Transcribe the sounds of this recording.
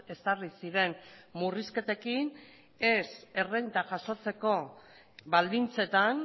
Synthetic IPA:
e̞sarisiɾe̞nmuriske̞t̪e̞kin | e̞se̞rent̪aʝaso̞t͡se̞ko̞ | bald̪int͡se̞t̪an

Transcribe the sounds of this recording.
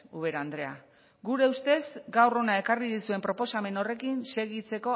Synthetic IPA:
uβe̞ɾand̪ɾe̞a | ɡuɾe̞ust̪e̞zɡawro̞nae̞kariðisue̞mpɾo̞po̞same̞no̞re̞kinse̞ɣit͡se̞ko̞

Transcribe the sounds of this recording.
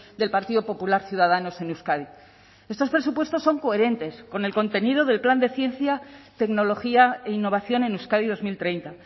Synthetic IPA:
d̪e̞lpaɾt̪iðo̞po̞pulaɾθjuð̞aðano̞se̞nuskaði | est̪o̞spɾe̞supwe̞st̪o̞sːo̞ŋko̞e̞ɾe̞nt̪e̞sko̞ne̞lko̞nt̪e̞niðo̞ð̞e̞lpland̪e̞θje̞nθjat̪e̞kno̞lo̞xiaeinːo̞β̞aθjo̞ne̞nuskaðið̞o̞zmilt̪ɾe̞jnt̪a

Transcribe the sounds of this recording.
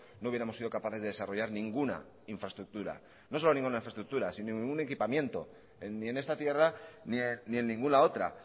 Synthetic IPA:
nouβjeɾamosːiðo̞kapaθe̞zðee̞saro̞ʝaɾnĩŋɡuna̰ | iɱfɾaest̪ɾuk̚t̪uɾa̰ | noo̞lonĩŋɡunaiɱfɾast̪ɾuk̚t̪uɾasinonĩŋɡune̞kipamjẽ̞nt̪o̞̰ | enːie̞ne̞st̪at̪je̞ranienie̞nːĩŋɡunao̞t̪ɾa̰

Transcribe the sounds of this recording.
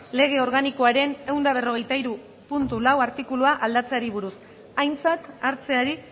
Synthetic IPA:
le̞ɣ̞e̞o̞ɾɣaniko̞aɾe̞ne̞wnd̪aβ̞e̞ro̞ɣ̞e̞jt̪aiɾu | punt̪ulawaɾt̪ikuluaʔald̪at͡seaɾiβuɾus | ajnt͡sat̪aɾt͡se̞aɾi

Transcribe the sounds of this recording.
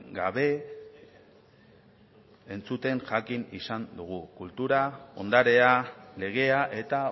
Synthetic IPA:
ɡaβe̞ | nt͡sut̪e̞ŋʝakinisand̪uɣ̞ukult̪uɾao̞̰nd̪aɾe̞ale̞ɣ̞e̞aʔe̞t̪a

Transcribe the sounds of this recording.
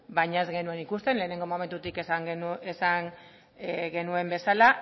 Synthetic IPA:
bajɲae̞zɣe̞nue̞nikust̪e̞nle̞ːne̞ŋɡo̞mo̞me̞nt̪ut̪ikesaŋɡnuesaŋ | ɡe̞nue̞mbe̞sala

